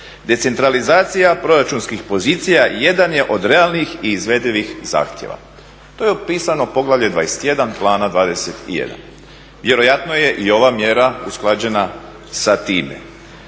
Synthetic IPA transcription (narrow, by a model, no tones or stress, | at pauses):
d̪e̞t̪se̞nt̪ɾalizaːt̪sijapɾo̞ɾat͡ʃunskixpo̞ziːt̪sijaje̞d̪anje̞ʔo̞d̪ɾe̞alˠnixiːzʋe̞d̪liʋixza̰ːxt̪jḛʋa̰ | t̪o̞jeopiːsanopo̞ɡlaʋʎed̪ʋaːjest̪je̞d̪anplˠaːnad̪ʋaːd̪e̞set̪ḭjḛd̪a̰n | ʋje̞ɾo̞jat̪noje̞ʔio̞ʋamje̞ɾausklˠad͡ʑe̞na | sat̪iːmḛ